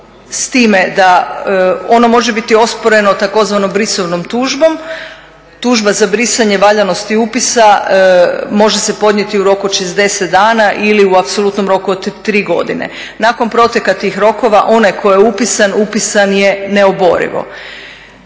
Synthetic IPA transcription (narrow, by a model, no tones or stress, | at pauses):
st̪iːmed̪a | o̞no̞mo̞ʒe̞bit̪io̞spo̞ɾe̞no̞t̪ako̞zʋano̞mbɾisoʋnomt̪uːʒbo̞m | t̪uːʒbazabɾisaɲe̞ʋaʎano̞st̪iupisa | mo̞ʒe̞se̞po̞d̪ɲe̞t̪iuɾo̞kuoʃezd̪e̞set̪d̪aːnaʔiliuapso̞lˠut̪no̞mɾo̞kuod̪t̪ːɾiːɡo̞̰d̪ḭnḛ | nako̞npɾo̞t̪je̞kat̪iːxɾo̞ko̞ʋaʔo̞najkʰo̞jeupisanupisanje̞neobo̞̰ɾḭʋo̞̰